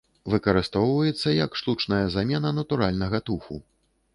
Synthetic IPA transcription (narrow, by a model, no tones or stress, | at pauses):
vɨkɐɾɨst̪ɔwvɐjɛt̪sːɐjɐkʂt̪ut͡ʂnɐjɐzamʲɛnɐnɐt̪uɾalʲnɐɣɐt̪uxṵ